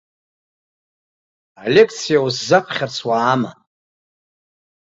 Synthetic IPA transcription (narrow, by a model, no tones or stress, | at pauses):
alʲekʰt͡sʰijawuszapʰχʲart͡sʰwaːma̰